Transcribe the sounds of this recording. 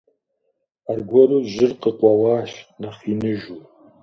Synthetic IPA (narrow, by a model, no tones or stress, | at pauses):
arɡʷɔɾuːʒɪrqəqʷʼɐwaːʃnaχinɨʒu